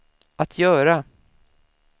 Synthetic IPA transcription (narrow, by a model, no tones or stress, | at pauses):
ʔat̪ʰjœːɾa